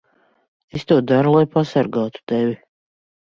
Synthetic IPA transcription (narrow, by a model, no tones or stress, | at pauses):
est̪uɔd̪aɾulˠajpʰasaɾɡaːt̪u̥t̪ɛvʲi